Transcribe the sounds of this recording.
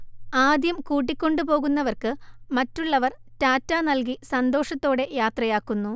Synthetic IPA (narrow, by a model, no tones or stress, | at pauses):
aːd̪jɐmkuːʈ̬ːikʲːo̞ɳɖɨpo̞ːɣunːɐʋɐrkɨmɐtːuɭːɐʋɐr | taːtːaːnɐlkisɐnd̪o̞ːʂɐt̪ːo̞ːɽe̞jaːt̪rɐjaːkːunːu